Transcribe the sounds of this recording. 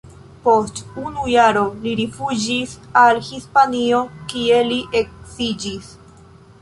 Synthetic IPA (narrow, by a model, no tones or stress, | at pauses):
po̞stunujaɾo̞liɾifud͡ʒisalhispanio̞kieliʔek̚sid͡ʒis